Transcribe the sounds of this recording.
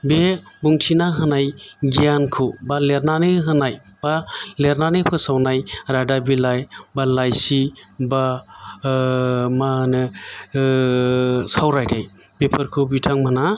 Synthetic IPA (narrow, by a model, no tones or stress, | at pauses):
bebuŋtʰinaɦɯnajɡijankʰɯbaleɾnaneɦɯnajb̥aleɾnanepʰɯsawnajɾadabilajbalajsiba | manɯ | sawɾajdaj | bepʰɯɾkʰɯbitʰaŋmana